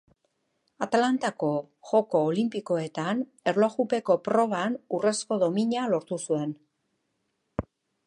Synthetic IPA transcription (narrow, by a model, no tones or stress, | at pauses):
at̪alant̪ako̞ | ʝo̞ko̞ːlimpiko̞e̞t̪an | e̞ɾlo̞xupe̞ko̞pɾo̞β̞anure̞sko̞ðo̞miɲalo̞ɾt̪usue̞n